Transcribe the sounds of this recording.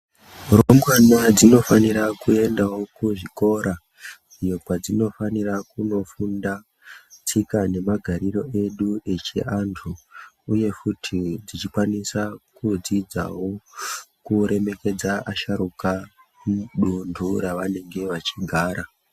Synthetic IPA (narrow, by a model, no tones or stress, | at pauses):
romɡwanad͡zino̞faniɾakue̞ndawo̞kuʐiko̞ɾa | ijokwad͡zino̞fanirakuno̞funda | t͡sʰikane̞maɡʱaɾiro̞ʔe̞ɗue̞t͡ʃḛʔantʰuːje̞futʰid͡zit͡ʃikwanisakud͡zid͡za̰wo̞kuɾe̞me̞ke̞d͡zaaʃaɾuka | muɗundʱuɾaʋane̞ŋɡe̞ʋat͡ʃiɡʱaːɾa